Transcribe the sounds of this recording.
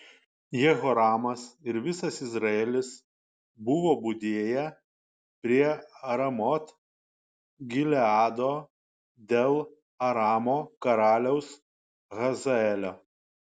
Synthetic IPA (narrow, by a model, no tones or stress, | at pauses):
jɛɣoɾɑːmɐsɪɾʋʲɪsɐsɪzɾɐeːlʲɪs | bʊʋoːbʊd̪ʲeːjɛ | pʲɾʲiɛɐɾɐmɔt̪ | ɡʲɪlʲɛɑːd̪oː | d̪ʲeːlˠ | ɐɾɑːmoːkɐɾɑːlʲɛʊs | ɣɐzɐɛlʲoː